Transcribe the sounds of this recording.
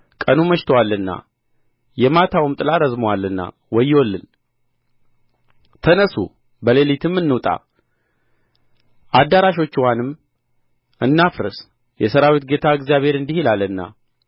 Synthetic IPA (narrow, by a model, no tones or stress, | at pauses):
kʼənuməʃt̪ʰəwalːɨnːa̰ | jɛmat̪ʰawɨmt̪ʼɨlaɾəzmowalːɨnːa̰ | wɔjːwolːɨn | t̪ʰənəsṵ | bəle̞lit̪ʰɨmːɨnːɨwt̪ʼa̰ | ʔad̪aɾaʃo̞t͡ʃːwanɨm | ʔɨnːafɾɨ̰s | jɛsəɾawit̪̚ɡe̞t̪ʰaɨɡzijaβhe̞ɾɨnd̪ihilalːɨnːa̰